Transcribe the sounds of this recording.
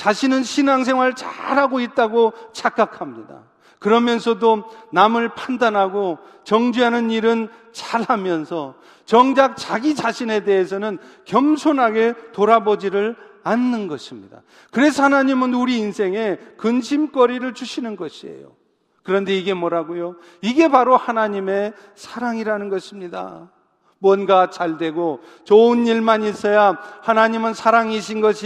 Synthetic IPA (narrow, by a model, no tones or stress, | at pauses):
t͡ɕaɕʰinɯnɕʰinaŋs̬ʰe̞ŋwaɭt͡ɕa̰ɾhaɡoit̚t͈aɡot͡ɕʰak͈akʰamɲida̰ | kɯɾʌmjʌnsʰʌdonamɯɭpʰandanɦaɡo | t͡ɕʌŋd͡ʑiɦanɯniɾɯn | t͡ɕaɾhamjʌnsʰʌ | t͡ɕʌŋd͡ʑak̚t͡ɕaɡit͡ɕaɕʰine̞de̞ɦesʰʌnɯnkjʌmsʰonɦaɡe̞toɾabod͡ʑiɾɯɭ | anːɯnɡʌɕʰimɲida̰ | kɯɾe̞sʰʌhanaɲimɯnuɾiːnsʰe̞ŋe̞kɯnɕʰimk͈ʌɾiɾɯɭt͡ɕuɕʰinɯnɡʌɕʰie̞̰jo̰ | kɯɾʌnde̞iɡe̞mwʌɾaɡojo | iɡe̞paɾohanaɲime̞ | sʰaɾaŋiɾanɯnɡʌɕʰimɲida̰ | mwʌnɡat͡ɕaɭdwe̞ɡo | t͡ɕʌɯniɭmanis͈ʌjahanaɲimɯnsʰaɾaŋiɕʰinɡʌɕʰi